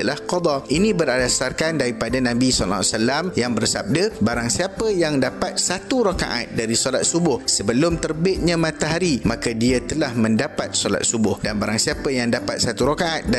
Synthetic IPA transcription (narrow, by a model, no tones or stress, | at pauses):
alahqɔd̪ˤɑʔinĩbəɾadasarkandaɾipadanãbisɔl̰salamjaŋbərsa̰b̚dabaɾaŋsiapəjaŋdapat̪̚sat̪uɾoka̰ʔa̰t̪̚daɾisɔlat̪̚subʊhsəbəlʊmt̪ərbɪt̪̚ɲãmãt̪aɦaɾimãkadiat̪əlahmə̃ndapat̪̚sɔla̰t̪̚subʊhdanbaɾaŋsiapəjaŋdapa̰t̪̚sat̪uɾokaat̪̚d